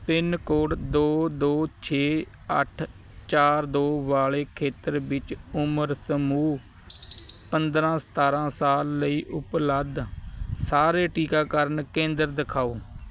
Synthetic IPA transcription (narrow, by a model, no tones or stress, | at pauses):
pɪnkoːʈd̪oːd̪oːt͡ʃʰeː | ə̰ʈʰ | t͡ʃaːɾd̪oːʋaːleːkʰeːt̪əɾbɪt͡ʃʊməɾsəmuː | pənd̪ɾãːsə̥t̪aːɾãːsaːlːəiːʔʊpləd̪saːɾeːʈiːkaːkəɾnkẽːnd̪əɾd̪ɪkʰaːoː